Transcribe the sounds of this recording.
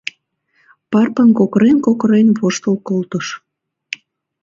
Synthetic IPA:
pɑrpənkokɾenkokɾenβoʃt̪əlkolt̪əʃ

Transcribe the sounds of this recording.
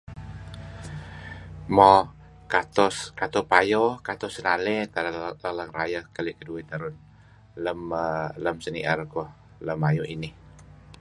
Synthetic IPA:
mɔ | kat̪ɔskat̪ɔpajokat̪ɔsənalɛt̪alaləŋrajəhkalikəduit̪aɾʊn | ləmələmsəniʔaɾkɔh | ləmajoinɪ

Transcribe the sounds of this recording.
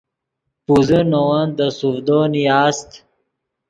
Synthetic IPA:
puzənowɐnd̪əsufd̪onijaːst̪

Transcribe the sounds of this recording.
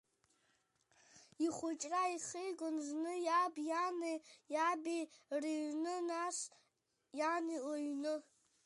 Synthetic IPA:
iχʷʊt͡ʃʼraiχejɡʷonznɨjabjanejabiriɥnɨnaʂ | janioɥnɨ

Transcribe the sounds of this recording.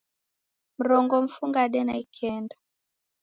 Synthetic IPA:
m̩ɾɔŋɡɔm̩fuŋɡaɗɛnaikʰɛnda

